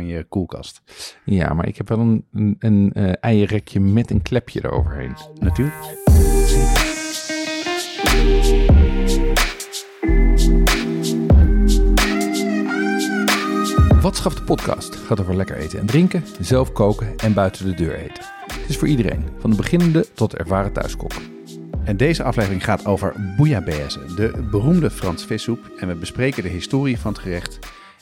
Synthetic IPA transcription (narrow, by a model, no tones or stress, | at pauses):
jəkulˠkɑ̰stja̰ːma̰ːɹʔɪ̰kɦɛpʋɛlˠənənɛjərɛkjəmɛtənklɛpʰjəda̰ɹo̰wvə̰ɹɦḛjnnatyːɹlək | ʋɑtsχɑfdəpɔtkɑ̰ːstχaːtovəɹlɛkə̰ɹʔḛjtəɛ̰ndrɪŋkəzɛlˠfkowkəɛnbœɥtəndədøːɹḛjtə̥ | tɪsfʊːɹʔidərḛjnvɑndəbəχɪnəndətɔtətɛ̰ɹvaːrətœ̰ɥskɔ̰k | ɛndejzəɑflejvərɪŋχaːtʰowvə̰ɹbujaːbeɛsə̰dəbərumdəfrɑnsfɪsup | ɛnʋəbəsprejkədəɦɪstʊːrivɑnətχərɪχt